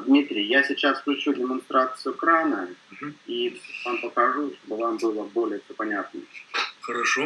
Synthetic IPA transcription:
d̪mʲit̪ɾʲɪjjasʲɪt͡ɕasfklʲʉt͡ɕudʲɪmɐnst̪ɾat̪sɨjʊkɾanə | ivampəkɐʐuʂt̪obɨvambɨlˠəbo̞lʲɪjəfsʲopɐnʲat̪̚nəxəɾɐʂo

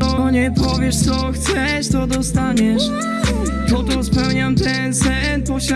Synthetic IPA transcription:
ɔɲɛpɔvʲjɛʂt̪sɔxt̪sɛʂt̪ɔd̪ɔst̪aɲɛʂ | pɔt̪ɔspɛwɲamt̪ɛnsɛnpɔɕa

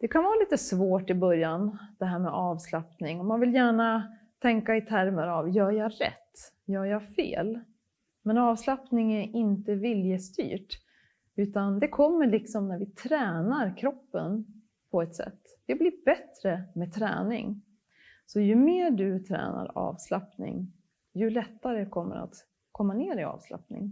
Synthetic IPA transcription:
d̪̥ɛkʰanvaːɾaliːt̪əsvoːʈɪbœɾjand̪̥ɛɦæːɾmɛʔɑːvslapnɪŋɔmanvɪljæːɳa | t̪ʰɛŋkaɪt̪ʰæɾməɾavjœːɾjɑɾɛ̰t̪ː | jœːɾjɑfḛːl | mɛnɑːvslapnɪŋæɾɪnt̪əvɪljəst̪y̰ːʈ | ʉ̟ːt̪and̪ɛkʰɔmːəɭɪksɔmnæɾvɪt̪ʰɾɛːnaɾkʰɾɔpːən | pʰɔɛt̪sɛ̰t̪ːd̪ɛblɪbɛt̪ɾəmɛt̪ʰɾɛ̰ːnɪ̰ŋ | sɔjɵmeːɖɵt̪ʰɾɛ̰ːna̰ɾɑ̰ːvslapnɪ̰ŋ | jɵlɛt̪ːaɾəkʰɔmːə̰ɾa̰t̪ | kʰɔmːaneːɾɪɑ̰ːvsla̰pnɪ̰ŋ

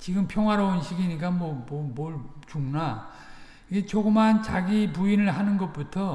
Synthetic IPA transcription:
t͡ɕiɡɯmpʰjʌŋɦwaɾaunɕʰiɡiɲik̬͈amwʌmʌmʌɭt͡ɕuŋna | iɡet͡ɕoɡɯmɦant͡ɕaɡipuinɯɭɦanɯnɡʌt̚p͈utʰʌ

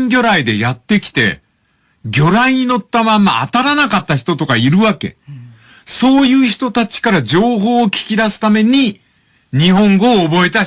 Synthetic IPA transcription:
ŋɡʲo̞ɾaid̪e̞̰jat̪ːe̞kʲi̥t̪e̞̰ | ɡʲo̞ɾaiɲ̟ino̞t̪ːamãmːa̰ːt̪aɾanakat̪ːaçi̥t̪o̞t̪o̞kaiɾɯ̟βake̞̰ | so̞ːjɯ̟ːçi̥t̪o̞t̪at͡ɕi̥kaɾad͡ʑo̞ːɦo̞ːkʲi̥kʲid̪asɨ̥t̪ame̞ɲ̟i | ɲ̟iɦõ̞ŋɡo̞ːbo̞e̞t̪a

